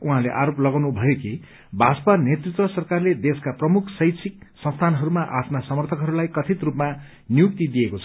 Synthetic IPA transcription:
uɦãleʔaɾoplʌɡawnubʱʌjoki | bʱaspʌnet̪rit̪rʌsʌrkarled̪eskaprʌmukʰsʌjtsʰik̚sʌ̃nst̪ʰanɦʌɾumaʔapʰnasʌmʌrt̪ʰʌkɦʌɾulajkʌt̪ʰit̪rupma | nijuk̚t̪id̪ijekot͡sʰʌ̥

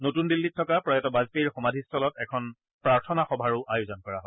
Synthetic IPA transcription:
notundilːitʰːɔkapɹɔjɔtɔbazpiɹxɔmadʱistʰɔlɔtɛkʰɔn | pɹaɹtʰɔnaxɔbʱaɹʊʔajuzɔnkɔɹa̰ɦɔj

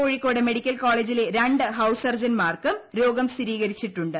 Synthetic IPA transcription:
oːɻikːo̞ːɽeme̞ɽikʲːɐlkoːɭeːd͡ʑile̞ɾɐɳɖɨɦɐwsɐrd͡ʑɐnmaːrkɨmɾo̞ːɡɐmsiɾiːɣɐɾit͡ɕːiʈːuɳɖɨ

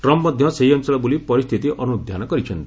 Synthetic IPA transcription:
ʈɾɔmpmɔd̪ʱjɔ̃seɦiɔnt͡ʃɔɭɔbulipɔɾist̪ʰit̪iʔɔnud̪ʱjanɔkɔɾit͡ʃʰɔnt̪i

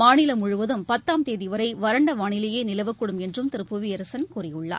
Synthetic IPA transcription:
maːɳɪlɐmʊɻʊʋɐðɯmpɐt̪ːaːmt̪eːðɪʋɐɾɐɪʋɐɾɐɳɖɐmaːɳɪlɐjeːnɪlɐʋɐkːɯɽɯmɛndrɯmt̪ɪɾɯpːɯʋiɐɾɐsɐnkuːrɪjɯɭːa̰ːɾ

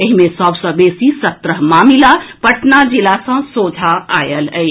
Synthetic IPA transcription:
eɦimẽsəbsə̃besisət̪ɾəɦmamilapəʈnad͡ʒilasãsod͡ʒʱaajələj

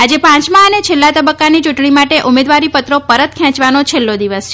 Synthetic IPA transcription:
ad͡ʒepãt͡ʃmãənet͡ʃʰelːat̪əbəkːanit͡ʃuʈɳimaʈeʔumed̪ʋaɾipət̪ɾopəɾət̪̚kʰjãt͡ʃʋanot͡ʃʰelːod̪iʋəst͡ʃʰe

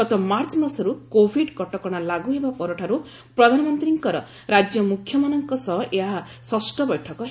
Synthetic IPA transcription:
kɔt̪ɔmaɾt͡ʃmasɔɾukobʱiɖkɔʈɔkɔɽ̃alaɡuɦebapɔɾɔʈʰaɾu | pɾɔd̪ʱanɔmɔnt̪ɾiŋkɔɾɔ | ɾad͡ʒjɔmukʰjɔmanɔŋkɔsɔɦɔʔeɦa | sɔsʈɔbɔjʈʰɔkɔ

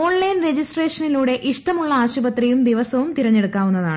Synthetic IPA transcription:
o̞ːɳlɐjnre̞d͡ʑisʈre̞ːʂɐniluːɽe̞ʔiʂʈɐmuɭːɐaːɕubɐt̪rijumd̪iʋɐsɐʋumt̪iɾɐɲːe̞ɽukːaːʋunːɐða̰ːɳɨ

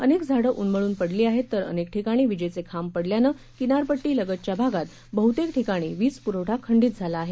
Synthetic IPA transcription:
ənekd͡zʱaɽəʔunməɭuːnpəɽliːaɦet̪ːəɾə̰nek̚ʈʰikaɽ̃iːʋid͡ʑejt͡sekʰampəɽljanə | kinaɾpəʈːiːləɡət̪̚t͡ɕjabʱaɡat̪ | bəɦut̪ekʈʰikaɽ̃iːʋiːt͡spuɾəwʈʰakʰːəɳɖiːt̪̚d͡zʱalaːɦe

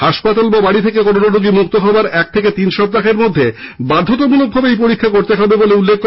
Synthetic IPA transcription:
haʃpat̪albabaɽit̪ʰekekɔɾonaɾoɡimuk̚t̪oɦɔoaɾɛk̚t̪ʰeket̪inʃɔb̚t̪axeɾmod̪ʱːe | bad̪ʱːot̪̬omulok̚bʱabeejpoɾikʰːakoɾt̪eɦɔbeboleulːek̚ʰːo

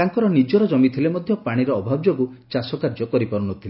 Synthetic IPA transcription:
aŋkɔɾɔnid͡ʒɔɾɔd͡ʒɔmit̪ʰilemɔd̪ʱjɔpaɽ̃iɾɔːbʱabd͡ʒoɡut͡ʃasɔkaɾd͡ʒɔkɔɾipɔɾunɔt̪ʰile

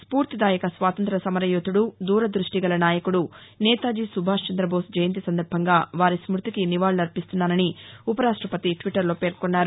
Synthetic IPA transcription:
spuːɾt̪id̪aːjɐkɐsʋaːt̪ɐnt̪ɾɐsɐmɐɾɐjot̪ːuɽud̪uːɾɐd̪ɾuʂʈiɡɐlɐnaːjɐkuɽu | nɛːt̪aːd͡ʒisubʱaːʂt͡ʃɐnd̪ɾɐbʱo̞ːsd͡ʒɐjɐnt̪isɐnd̪ɐɾbʱɐŋɡaːʋaːɾismuɾt̪ikiniʋaːɭnɐɾpist̪unːaːnɐniupɐɾaːʂʈɾɐpɐt̪iʈʋiʈːɐɾlo̞ːpe̞ːɾkonːaːɾu

